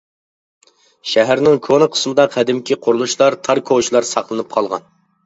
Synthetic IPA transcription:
ʃɛɦæɾnɪŋkʰonɨqʰə̥smɨd̪ɑqʰɛd̪ɪmkʲiqʰʊɾulˠuʃlˠɑɾt̪ʰɑɾkʰoʃlˠɑɾsɑχlˠɨnɨp̚qʰɑlˠʁɑ̰n

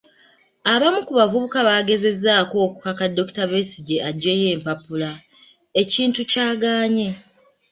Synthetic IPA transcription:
aβamukuβavuβukaβaːɡe̞ze̞zːaːko̞ːku̥kakadːo̞ktaβesiɟeaɟːeːje̞ːmpapula | e̞ciːntucaːɡaːɲe̞

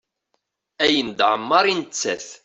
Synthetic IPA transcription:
æjənd̪ʕəmːɑɾˤint͡sːæ̰θ

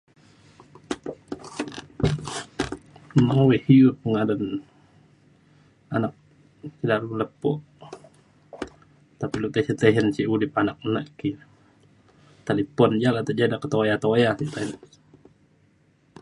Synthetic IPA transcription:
mawihiup̚əŋadan | anak̚ | sidalumləpːɔʔ | t̪apilut̪ɛsit̪ɛɦɛnsiudip̚anak̚naʔkːi | t̪alipɔnd͡ʒalat̪aʔd͡ʒadakət̪ojat̪ojasit̪ain

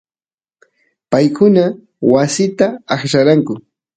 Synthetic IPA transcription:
pajkʊna | wasɪt̪aːχʃaɾaŋkʊ

